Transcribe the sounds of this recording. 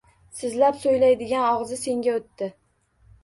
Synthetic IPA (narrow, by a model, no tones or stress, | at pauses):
sɪzlapsojlajd̪ɪɡʲanɒʁzɪse̞ŋɡʲaot̪ːɪ